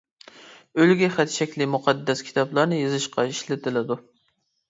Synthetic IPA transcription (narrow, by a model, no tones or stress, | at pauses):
ølɡʲɛχæt̪ʰʃɛkʲlimuqʰɑd̪ːɛskʲʰi̥t̪ʰɑblˠɑɾnɨjezɨʃqɑiʃlɪt̪ʰɪlɪd̪u